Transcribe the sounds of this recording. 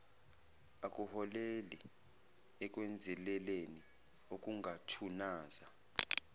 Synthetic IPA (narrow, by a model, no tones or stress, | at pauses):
ak̬ʼuhɔleli | ɛk̬ʼwɛnd͡zʱɛlɛleni | ok̬ʼuŋʱatʰunaːza